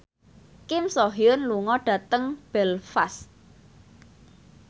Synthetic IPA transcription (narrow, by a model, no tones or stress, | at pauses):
kɪmsoɦjʊnluŋɔɖ̥ä̤t̪əŋb̥ɛlfas